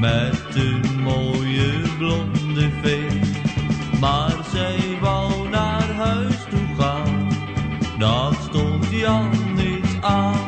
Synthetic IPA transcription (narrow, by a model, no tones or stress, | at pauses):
mɛt̚dəmoːjəblɔndəfestmaːrzɛjʋɑlˠnaːərɦœɥstuχaːn | dɑtstɔntjɔnitaː